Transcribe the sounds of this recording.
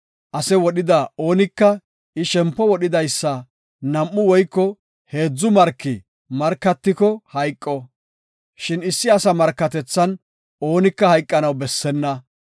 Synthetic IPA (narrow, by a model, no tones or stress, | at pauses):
ʔɐsɛwɔɗɪd̪ɐo̞ːnɪkːɐ | ʔɪʃɛmpːɔwɔɗɪd̪ɐjsːɐ | nɐmːʊwɔjkːɔ | he̞ːd͡zːʊmɐɾkːɪ | mɐɾkːɐt̪ːɪkɔhɐjkʼːɔ | ʃɪnɪsːɪɐsɐmɐɾkːɐt̪ɛt͡sːɐn | o̞ːnɪkːɐhɐjkʼːɐnɐwbɛsːɛnːɐ